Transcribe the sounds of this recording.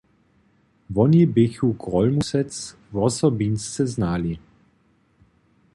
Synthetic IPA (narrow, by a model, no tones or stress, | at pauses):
vɔnibɪçuɡʁɔlmusɛt͡s | vɔsɔbinst̪t͡sɛznaːli